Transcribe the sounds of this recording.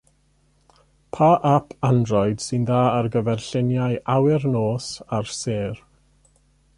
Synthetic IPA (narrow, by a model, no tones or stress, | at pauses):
pʰaʔapʰandrɔɨd̥sɪnðaːərɡəvɛrɬɪnjajʔawɪrnoːsarseːr